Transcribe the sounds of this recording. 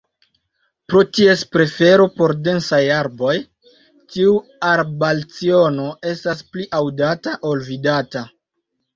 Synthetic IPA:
pɾo̞tie̞spɾe̞fe̞ɾo̞po̞ɾde̞nsajaɾbo̞j | tiuaɾbalt͡sio̞no̞e̞staspliʔawdataʔo̞lvidata

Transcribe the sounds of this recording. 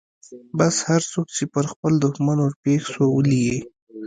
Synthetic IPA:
bashaɾt͡sok̚t͡ʃepəɾxpəld̪ʊxmanwʊɾpexsowəlije

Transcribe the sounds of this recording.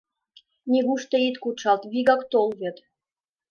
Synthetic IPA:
nʲiɣuʃt̪eit̪kuʃɑlt̪βiɣɑkt̪olβet̪

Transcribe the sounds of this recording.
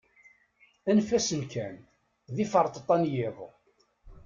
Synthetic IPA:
ænfæsənkʰæn | ðifəɾˤt̪ˤt̪ˤːɑnjɪðˤ

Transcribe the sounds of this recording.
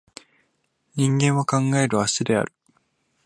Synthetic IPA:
ɲĩŋɡẽ̞ɰ̃βakãŋɡae̞ɾɯ̟βasɨd̪e̞a̰ɾɯ̟

